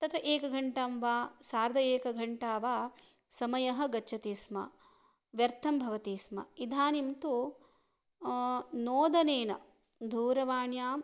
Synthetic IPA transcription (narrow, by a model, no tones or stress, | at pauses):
t̪ɐt̪ɾɐʔeːkɐɡʱɐɳʈamʋaːsaːɾd̪ʱɐeːkɐɡʱɐɳʈaːʋaː | sɐmɐjɐɦɐ̆ɡɐt͡ʃʰːɐt̪iːsmɐ̰ | ʋjɐɾt̪ʰɐmbʱɐʋɐt̪iːsmɐ̰id̪ʱaːnimt̪u | noːd̪ɐneːnɐ̰ | d̪ʱuːɾɐʋaːɳjaːm